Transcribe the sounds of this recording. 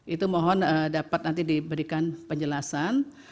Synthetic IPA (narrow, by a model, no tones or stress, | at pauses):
ʔit̪umɔɦɔnədapat̪̚nant̪̬idibəɾikanpəɲd͡ʒəlasan